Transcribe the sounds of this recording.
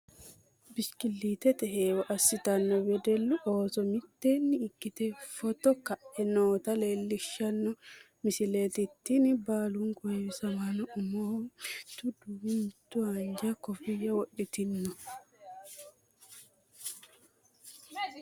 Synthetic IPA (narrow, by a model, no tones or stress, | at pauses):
biskilːit̪ɛt̪ɛɦeːwɔʔɐsːɪt̪ɐnːɔbɛd̪ɛlːuʔoːsɔmit̪ːenːɪːkːit̪ɛfɔt̪ɔkaʔɛnoːt̪ɐleːlːɪʃːɐnːɔ | misileːt̪it̪ːinɪbaːluŋɡɔewɪsɐmanɔʔʊmɔt̪ud̪uwunt̪uaɲd͡ʒakɔfijɐwɔɗːit̪inːɔ